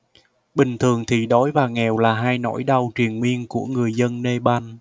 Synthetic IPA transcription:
ɓï˨˩ŋ̟t̪ʰɨ˨˩əŋt̪ʰi˨˩ɗɔ˨˦jvaː˨˩ŋɛ˨˩wlaː˨˩ɦaː˧jno̰˧˥jɗa˧wt͡ɕwi˨˩ənŋwi˧ənku˧˩əŋɨ˨˩əjzə˧nːe˧ɓa˧n

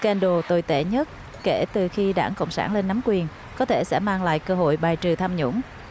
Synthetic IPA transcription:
kɛ˧nɗo˨˩t̪o˧˩jt̪ḛ˧˩ɲə˦˥t̚ | ke˧˩t̪ɨ˨˩xi˧ɗa̰ː˧˩ŋkə̰˧˨wŋ͡msaː˧˩nle˧nːa˨˦mkwi˨˩ən | kɔ˨˦t̪ʰe˧˩sɛ̰˧˥maː˧ŋla̰ː˧˨jkəː˧ɦo̰˧˨jɓaː˨˩jt͡ɕɨ˨˩t̪ʰaː˧mɲʊ̰˧˥ŋ͡m

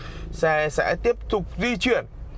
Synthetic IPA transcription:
sɛ˧˥sɛ̰˧˥t̪i˦˥əp̚t̪ʊ˨˩k͡p̚zi˧t͡ɕwḭ˧˨ən

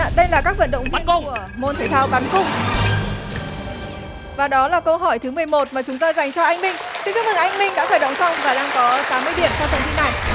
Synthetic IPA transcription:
ɗə˧jlaː˨˩kaː˦˥k̚və̰˧˥nɗə̰˧˨ŋ͡mŋvən˧˩u˧˩əmo˧nt̪ʰə˧˩t̪ʰaː˧wɓa˨˦nkʊ˨˩ŋ͡m | vaː˨˩ɗɔ˨˦laː˨˩kə˧wɦɔ˧˩jt̪ʰɨ˨˦mɨ˨˩əjmo˨˩t̚maː˨˩t͡ɕʊ˨˦ŋ͡mt̪aː˧jza˨˩jŋ̟t͡ɕɔ˧ʔa˧jŋ̟mï˧ŋ̟t̪ʰɨ˨˦˥t͡ɕʊ˦˥k̪ɨ˨˩ŋʔa˧jŋ̟mï˧ŋɗa̰ː˧˥faː˧˩jɗə˨˩wŋ͡msa˧wŋ͡mvaː˨˩ɗaː˧ŋkɔ˨˦t̪aː˨˦mɨ˧əjɗi˧˩əmtʰɛ˧wfə˨˩nt̪i˧na˨˩j

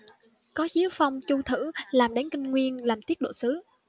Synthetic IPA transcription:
kɔ˨˦zi˨˦əwfa˧wŋ͡mt͡ɕu˧t̪ʰɨ̰˧˥laː˨˩mɗa˨˦jŋ̟kï˧ŋ̟ŋwi˧ənlaː˨˩mt̪i˦˥ət̚ɗo̰˧˨sɨ˨˦

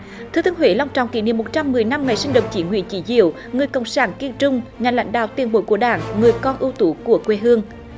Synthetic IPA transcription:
t̪ʰɨ˧t̪ɨ˨˦əŋhwḛ˧˨˦la˧wŋ͡mt͡ɕɔ̰˧˨wŋ͡mkḭ˧˦ni˧˨mo˨˩t̚t͡ɕa˧mːɨ˨˩əjna˧mŋa˨˩jsï˧ŋɗə̰˧˨wŋ͡m̚t͡ɕḭ˧˦nɦwḭ˧˨ənt͡ɕḭ˧˦zḭ˧˨əw | ŋɨ˨˩əjkə̰˧˨wŋ͡msaː˧˩nki˧ənt͡ɕʊ˧ŋ͡mɲa˨˩nla̰˧˦jŋ̟ɗa̰ː˧˨wt̪i˨˧˩ənɓo̰˧˨˦jku˧˩əɗaː˧˩ŋŋɨ˨˩əjkɔ˧nʔɨ˧wt̪u˧˨˦ku˧˩əkwe˧ɦɨ˧əŋ

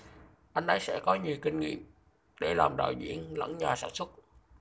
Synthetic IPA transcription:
ʔa˧jŋ̟ʔə˧jsɛ̰˧˥kɔ˨˦ɲi˨˩əwkï˧ŋ̟ŋḭ˧˨əm | ɗe˧˩laː˨˩mɗa̰ː˧˨˩jzḭ˧˥ənlə̰˧˥nɲaː˨˩saː˧˩nswə˦˥t̚

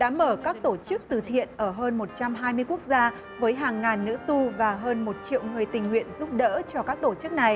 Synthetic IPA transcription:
ɗa̰ː˧˥məː˧˩kaː˦˥k̚t̪o˧˩t͡ɕɨ˦˥k̚t̪ɨ˨˩t̪ʰḭ˧˨ənʔəː˧˩ɦəː˧nmo˨˩t̚t͡ɕa˧mɦaː˧jmɨ˧əjku˦˥ək̚zaː˧ | vəː˨˦jɦaː˨˩ŋːaː˨˩nːɨ̰˧˥t̪u˧vaː˨˩ɦəː˧nmo˨˩t̚t͡ɕḭ˧˨əwŋɨ˨˩əjt̪ï˨˩ŋ̟ŋwḭ˧˨ənzu˦˥p̚ɗə̰ː˧˥t͡ɕɔ˧kaː˦˥k̚t̪o˧˩t͡ɕɨ˦˥k̚na˨˩j

